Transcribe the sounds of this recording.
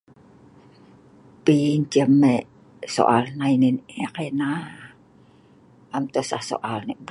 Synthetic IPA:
piɲt͡ʃəmːe | so̰ʔalnaininakena | amt̪osahso̰ʔalniʔb

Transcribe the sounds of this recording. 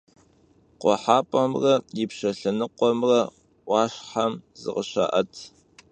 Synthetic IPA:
qʷɔ̰ħaːpʼɐmrɐjipɕɐɬɐnɨqʷɔmrɐ | ʔʷɑːɕħamzɨ̰ʁəɕa̰ːʔɐtʰ

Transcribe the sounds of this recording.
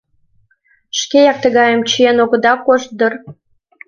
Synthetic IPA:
ʃkejɑk̚t̪əɣɑjəmt͡ɕəenoɣə̆d̪ɑkoʃt̪̚d̪ər

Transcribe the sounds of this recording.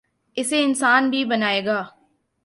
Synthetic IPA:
ɪseɪnsaːnbʱibɐnaːeːɡaː

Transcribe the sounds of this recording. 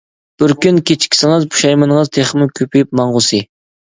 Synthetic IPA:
b̥ɪɾkʲynkʲʰet͡ʃʰkʲʰi̥sɪŋɨzbʰu̥ʃɑjmɨnəŋəzt̪ʰeχmukʲʰøpijip̚mɑɴʁʊsɨ

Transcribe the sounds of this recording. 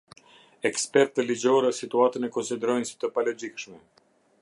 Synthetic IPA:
ɛkspɛɾt̪əlid͡ʒɔɾɛsit̪uat̪ənɛkɔnsid̪ɛɾɔjnsi̥t̪əpalɔd͡ʒikʃmɛ

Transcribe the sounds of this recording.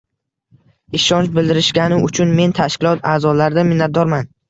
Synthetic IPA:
ɪʃɒnt͡ʃbɪld̪ɪɾɪʃɡʲanɪʊt͡ʃʰʊnme̞nt̪ʰaʃkʲɪlˠɒt̪ʰaːzɒlaɾd̪amɪnːat̪̚d̪ɒɾman

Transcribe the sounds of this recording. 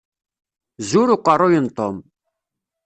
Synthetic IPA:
zuɾuqʼaɾɔjənt̪ʼɔm

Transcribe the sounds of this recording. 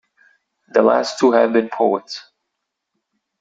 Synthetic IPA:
ðəlæ̰stʰuɨvbɨ̃npʰoʊəts

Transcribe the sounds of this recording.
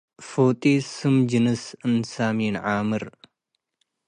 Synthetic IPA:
foːt̪ʼiːsɨmd͡ʒɨnɨsɨnsaːmiːnʕaːmɨɾ

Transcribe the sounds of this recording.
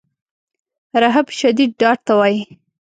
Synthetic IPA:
ɾaɦabʃad̪id̪̚ɖɑʈ̚t̪awɑji

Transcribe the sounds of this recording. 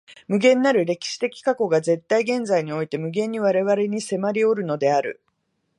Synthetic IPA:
mɯ̟ɡẽ̞nːaɾɯ̟ɾe̞kʲi̥ɕi̥t̪e̞kʲi̥kako̞ɡaze̞t̪ːaiɡẽ̞nd͡zaiɲ̟io̞it̪e̞mɯ̟ɡẽ̞ɲ̟ːiβ̞aɾe̞βaɾe̞ɲ̟ise̞maɾʲio̞ɾɯ̟no̞d̪e̞aɾɯ̟̰

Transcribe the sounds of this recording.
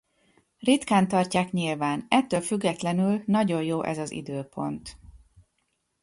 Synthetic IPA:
rit̪kaːnt̪ɒrcaːkɲilvaːnɛt̪ːøːlfyɡːɛt̪lɛnylnɒɟo̞jjoːʔɛ̰zɒzḭd̪øːpo̞̰nt̪

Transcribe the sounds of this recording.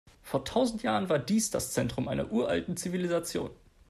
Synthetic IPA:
foːɐtʰaʊzn̩tjaːʁənvaːɐdiːsd̥a̰st͡sɛntʁ̥ʊmʔaɪnɐ̰ʔuːɐʔa̰ltn̩t͡sivilizat͡sjo̰ːn

